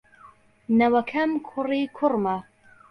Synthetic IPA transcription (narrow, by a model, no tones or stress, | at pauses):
nɐwɐkʰɐmkʰʊrikʰʊrmɐ